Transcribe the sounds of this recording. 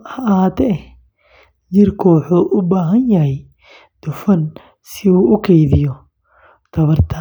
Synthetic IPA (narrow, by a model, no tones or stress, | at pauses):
ɐʔaːd̪ɛ | jɪrkʰɔːħɔʔʊbaːɦɐnjɐɦɛj | d̪̥ʊfɐn | sɪuːʔʊkʰɛjðɪjɔ | t̪ʰɐβɐrt̪ʰɐ